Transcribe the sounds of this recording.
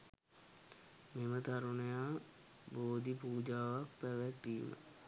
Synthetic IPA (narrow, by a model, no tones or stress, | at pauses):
memət̪aɾunejaː | boːd̪ipuːd͡ʒaːʋak̚pæʋɛk̚d̪iːmə̰